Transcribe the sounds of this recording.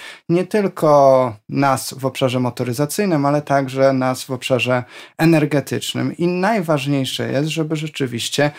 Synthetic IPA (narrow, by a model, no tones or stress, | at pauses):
ɲɛt̪ɘlkʰɔnasvɔpʂaʐɛmɔt̪ɔɾɘzat̪sɘjnɘmalɛt̪aɡʐɛnasvɔpʂaʐɛɛnɛɾɡɛt̪ɘ̰t͡ʂnɘ̰minajvaʐɲejʂɛ̰jɛ̰st̪ʐɛbɘʐɛt͡ʂɘvʲiɕt͡ɕɛ